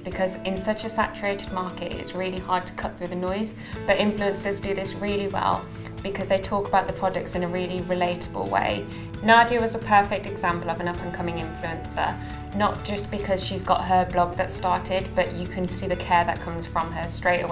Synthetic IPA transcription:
b̥ɪkʰʌzɪ̃nsʌt͡ʃəsa̰t͡ʃəɹeɪtɪd̚mɑˑkɪtɪ̰tsɹɪəlihɑːd̚tʰə̥kʰʌʔ̪̚θɹʉːðənɔɪz | b̥ʌɾɪ̃ɱfluə̃nsəzdəðɪsɹɪəliwɛ̰lˠ | b̥ɪkʰʌzðeɪtʰɔˑkəbaʊʔ̪̚ðəpʰɹ̥ɒdək̚tsɪ̃nəɹɪəliɹɪleɪtʰəbə̰lˠwḛɪ | nɑdiəwɒzəpʰɜˑfɛk̚tɛɡz̥ãmpəlˠəvə̃nʌpʰə̃nkʰʌ̃mɪ̃ŋɪ̃ɱfluə̃nsə̰ | nəʔ̚d̥ʒ̥ʌsb̥ɪkʰʌz̥ʃizɡɒ̰ʔɦəblɒɡ̚ðətstɑˑtʰɪdb̥ʌt͡ʃəkʰɨ̃nsiːðəkʰɛːðəʔ̚kʰʌ̃mz̥fɹə̃məstɹ̥eɪtəw

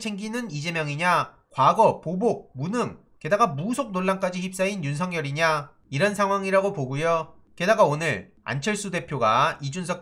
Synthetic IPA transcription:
t͡ɕʰe̞ŋɡinɯnid͡ʑe̞mjʌŋiɲa | kwaɡʌpobok̚munɯŋ | ke̞daɡamusʰok̚noɭːank͈ad͡ʑiçip̚s͈ainjunsʰʌŋjʌɾiɲa | iɾʌnsʰaŋwaŋiɾaɡopoɡujo | ke̞daɡaonɯɭ | a̰nt͡ɕʰʌɭs͈ude̞pʰjoɡaid͡ʑunsʰʌk̚

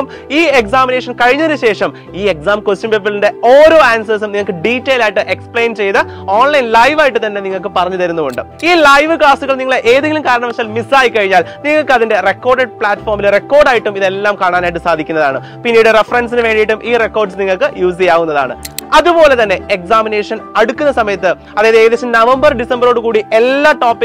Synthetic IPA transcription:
m | iːeksaːmineːʂɐnkɐɻiɲːɐoɾuɕe̞ːʂɐm | iːeksaːmkest͡ɕjumbebilinde̞oːɾo̞ːaːnsɐːsumniŋːɐɭkːɨɖiːtːejlaːjiʈːɨʔe̞kspɭe̞ːnt͡ɕe̞jt̪ɨ | oːɳlɐjnlɐjʋaːjiʈːɨt̪ɐnːe̞niŋːɐɭkɨpɐrɐɲːuðɐɾunːuoɳɖɨ | iːlɐjʋɨkaːstuɣɐɭniŋːɐɭʔeːðeŋɡʲlumkaːɾɐɳɐmːɐt͡ɕːaːlmisaːjikːɐɻiɲːaːlniŋːɐɭkɨɐðinde̞re̞kːoːrɖeɖ̚pɭaːtːfo̞ːrmilre̞kːo̞ːrɖaːjiʈːumiðe̞lːaːmkaːɳaːnaːjiʈ̬ːɨsaːd̪ʱikʲːunːɐðaːɳɨ | pinːiːjuɽɨrefɐrɐnsinɨʋe̞ːɳɖiʈːumʔiːre̞kːo̞ːrɖsniŋːɐɭkɨjuːs̬ijaːɣunːɐða̰ːɳɨ̰ɐðupo̞ːle̞t̪ɐnːe̞eksaːmine̞ːʂɐnɐɽukʲːunːɐsɐmɐjɐt̪ːɨ | ɐðaːjɐðeðesɐmnɐʋɐmbɐrɖisɐmbɐɾo̞ːɽɨkuːɽiʔe̞lːaːʈoːpːi

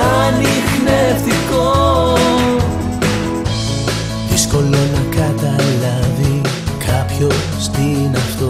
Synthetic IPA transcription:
ɐnixneft̪iko | ðisko̞lo̞nɐkɐt̪ɐlɐði | kʰɐpço̞ | st̪inɐft̪o

